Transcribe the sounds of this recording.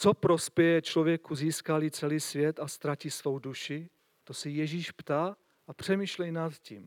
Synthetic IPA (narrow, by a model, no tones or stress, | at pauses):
t͡so̞pɾo̞spjɛjɛt͡ʃlo̞vjɛkuziːskaliːt͡sɛliːsvjɛt̪ast̪ɾaciːsvo̞wduʃɪ | t̪o̞sɪjɛʒiːʃpt̪aː | ʔapr̝̥ɛmiːʃlɛjnat̪cim